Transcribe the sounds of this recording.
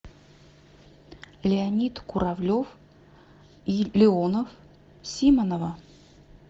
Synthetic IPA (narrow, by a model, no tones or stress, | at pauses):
lʲɪɐnʲit̪kʊɾavlʲof | lʲɪonəf | sʲimənəvə